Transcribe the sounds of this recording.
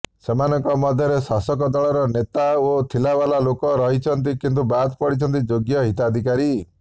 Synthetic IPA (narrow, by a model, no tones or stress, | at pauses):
semanɔŋkɔmɔd̪ʱjɔɾesasɔkɔd̪ɔɭɔɾɔnet̪aot̪ʰilabalalokɔɾɔɦit͡ʃʰɔnt̪̬ikint̪̬ubat̪pɔɽit͡ʃʰɔnt̪̬id͡ʒoɡjɔɦit̪ad̪ʱikaɾi